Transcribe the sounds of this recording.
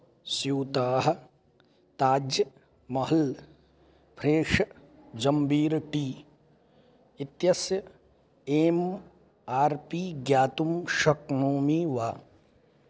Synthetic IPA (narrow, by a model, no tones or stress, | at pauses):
sjuːt̪aːɦɐ̆ | t̪aːd͡ʒjɐ | mɐɦɐl | pʰɾeːʂɐ | d͡ʒɐmbʱiːɾʈiː | it̪jɐsjɐ | em | aːɾpiːɡjaːt̪umʃɐknoːmiʋaː